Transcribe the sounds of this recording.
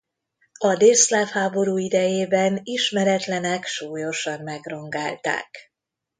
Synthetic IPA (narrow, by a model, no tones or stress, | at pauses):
ɒd̪eːslafhaːbo̞ɾuːid̪ɛjeːbɛniʃmɛɾɛt̪lɛnɛkʃuːjo̞ʃɒmmɛɡro̞ŋɡa̰ːlt̪a̰ːk